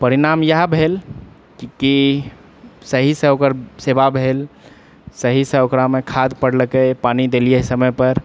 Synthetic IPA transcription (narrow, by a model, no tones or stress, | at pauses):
pəɾiɾamjəɦbʱel | kki | səɦisə̃okəɾsebabʱel | səɦisə̃okɾamẽkʰad̪pəɽləkəpanid̪eliesəməjpəɾ